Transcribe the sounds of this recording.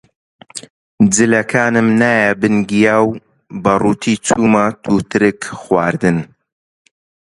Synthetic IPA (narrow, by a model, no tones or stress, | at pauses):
d͡zɨlɐkʰaːnɨmnaːjɛbɨnɡijaːw | bɐruːt̪ʰiːt͡sʰuːmɐt̪ʰuːt̪ɨɾɨkχwaːɾd̪ɨn